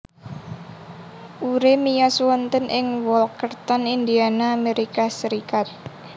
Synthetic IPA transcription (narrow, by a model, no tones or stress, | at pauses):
ʔuɾemijɔswɔnt̪ənʔɪŋwɔlkərt̪ɔnind̪ianaːmeɾikasəɾikat̪̚